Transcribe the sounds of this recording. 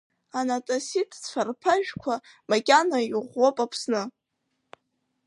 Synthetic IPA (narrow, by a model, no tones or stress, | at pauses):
anatʼasitʰʼt͡sfarpʰaʒᶣkʷʰamakʲʼanajʁʷopʼapʰsnɨ